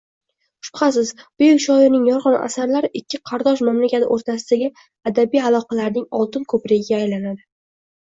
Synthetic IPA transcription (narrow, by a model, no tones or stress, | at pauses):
ʊ̥ʃpχɑsɪzb̥ʊjʊkʲʃɒɪɾnɪŋjɒɾʁɑna̰saɾlaɾɪʔɪkʲʰːɪqʰɑɾd̪ɒʃmamlakʲat̪ɪʔoɾt̪ʰasɪd̪aɡʲɪ | ad̪abijalˠɒqɑlaɾnɪŋɒlˠt̪ɪnkʰɵpɾeɡʲɪɡʲaːjlanad̪ɪ